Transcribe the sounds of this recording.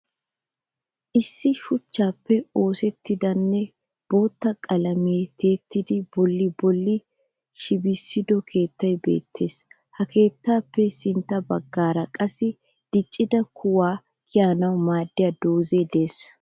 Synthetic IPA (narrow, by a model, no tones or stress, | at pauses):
ʔɪsːɪʃʊt͡ʃːaːpːɛo̞ːsɛt̪ːɪd̪ɐnːɛ | b̥o̞ːt̪ːɐkʼɐlɐmɪɛt̪ʰe̞ːt̪ːɪd̪ɪbɔlːɪbɔlːɪ | ʃɪbɪsːɪd̪ɔkʰe̞ːt̪ːɐjbe̞̰ːt̪ʰːe̞ːs | hɐkʰe̞ːt̪ːaːpːɛsɪnt̪ːɐbɐɡːaːɾɐkʼɐsɪ | d̪̥ɪt͡ʃʼːɪd̪ɐkʰʊwaː | kɪjaːnɐwʊmaːd̪ːɪjɐd̪oːze̞ːd̪e̞ːs